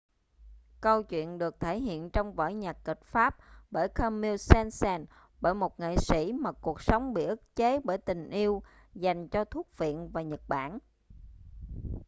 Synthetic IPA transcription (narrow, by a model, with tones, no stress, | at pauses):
kə˧wt͡ɕwḭ˧˨ənɗɨ˨˩ək̚t̪ʰe˧˩ɦḭ˧˨ənt͡ɕɔ˧wŋ͡mvə̰ː˧˩jɲaː˨˩ki˨˩k̚faː˦˥p̚ɓəː˧˩jkʰəː˧mːi˧wsɛ˧nsɛː˧n | ɓəː˧˩jmo˨˩t̚ŋḛ˧˨sḭ˧˥maː˨˩ku˨˩ək̚sə˨˦wŋ͡mɓḭ˧˨ʔɨ˦˥t̚t͡ɕe˨˦ɓəː˧˩jt̪ï˨˩ŋ̟ʔi˧əw | za˨˩jŋ̟t͡ɕɔ˧t̪ʰu˦˥ək̚vḭ˧˨ənvaː˨˩ɲə˨˩t̚ɓa̰ː˧˩˨n